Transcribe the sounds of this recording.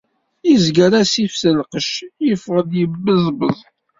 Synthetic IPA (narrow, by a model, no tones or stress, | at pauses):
izɡəɾæsifsəlqəʃjəfʁəðjəbːəðbəðˤ